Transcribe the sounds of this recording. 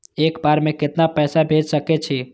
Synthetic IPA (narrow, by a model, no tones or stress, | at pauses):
ekbaɾmẽkɪt̪napɛːsabʱed͡ʒsəket͡ʃʰi